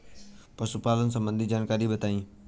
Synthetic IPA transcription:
pɐsupaːlənɪ̆s̬ɐ̃mbə̃nd̪ʱid͡ʑaːnkaːɾibɐt̪aːĩː

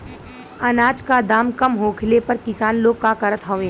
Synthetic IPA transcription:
ɐnaːd͡ʒkad̪aːmkɐmɦõːkʰlepɐɾkɪsaːnloːɡɡ̚kakɐɾət̪ɦoːʋẽː

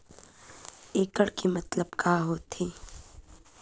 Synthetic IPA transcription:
eːkəɽkimɐt̪ləbkaːɦoːt̪ʰiː

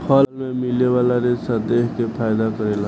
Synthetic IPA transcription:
pʰʌlmemilebalaɾesad̪ekkepʰajd̪akəɾela

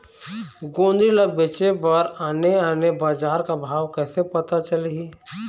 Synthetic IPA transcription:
ɡõːnd̪ɾiləɡ̚beːt͡ʃebəɾaːneaːnebaːd͡ʒaːɾkabʱaːwkɛːsepɐt̪at͡ʃəleɡi

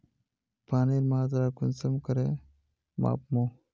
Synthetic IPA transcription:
pʰaːniɾmaːd̪ɾaːkunsɐmkɐɾe | ma̰ːpmo

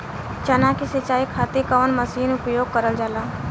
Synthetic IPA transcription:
t͡ʃɐnãkisɪt͡ʃaːikʰaːt̪ikəʋnməsiːnʊpjoːɡ̚kəɾəld͡ʒalaː

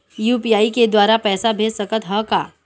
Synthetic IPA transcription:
juːpijaːiked̪waːɾapɛːsabʱeːssɐkət̪ɦəka̰ː

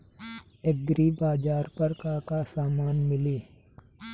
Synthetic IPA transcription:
eɡɾiːbaːd͡ʒaːɾpəɾkakasaːmaːnmɪliː

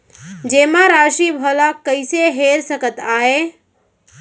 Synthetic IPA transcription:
d͡ʒemaɾaʃibʱəlakːəɪseɦeɾsəkət̪ae

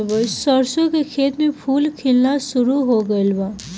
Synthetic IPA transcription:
bəsʌɾsokekʰeːt̪mepʰulkʰilnasuɾuɦoɡəjlba

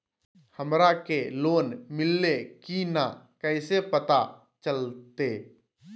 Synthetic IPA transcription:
həmɾakeloːnmɪlːekinakɛːsepət̪a | t͡ʃəlt̪eː

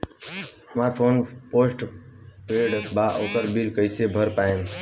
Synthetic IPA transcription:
mãːoːnpoːsʈpeːɽbaːʔoːk̪əɾbiːlkəiseːbʱəɾpaːẽːm

